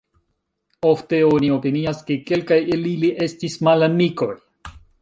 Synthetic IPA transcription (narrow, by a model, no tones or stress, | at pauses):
o̞fte̞o̞nio̞piniaske̞ke̞lkajeliliʔe̞stismalamiko̞j